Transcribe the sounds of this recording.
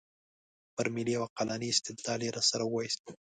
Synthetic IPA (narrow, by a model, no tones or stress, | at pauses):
pəɾmɪliawaqalɑniɪst̪ɪd̪lɑleɾɑsaɾawɑjist̪